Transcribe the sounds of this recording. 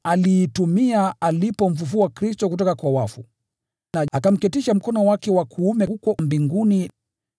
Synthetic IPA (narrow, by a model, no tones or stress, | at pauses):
aliːtumiaalipɔɱ̩fufuakɾistɔk̬utɔkakwawafu | naakam̩kɛtiʃam̩kɔnɔwakɛwakʰuumɛhukɔmbiŋɡuni